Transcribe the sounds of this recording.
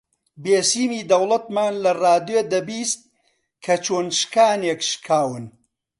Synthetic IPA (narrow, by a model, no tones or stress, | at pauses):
beːsiːmiːd̪ɐwlˠɐt̪̚maːnlɐraːd̪jed̪ɐbiːst̪̚ | kʰɐt͡ʃʰoːnʃkaːnekʃkʰaːwɨn